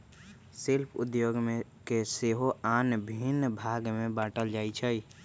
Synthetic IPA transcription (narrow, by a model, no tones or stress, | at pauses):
sɪlpʰʊ̰d̪joːɡmẽkeseːɦoaːnbʱɪnbʱaːɡmẽbaːʈəld͡ʒaːit͡ʃʰəi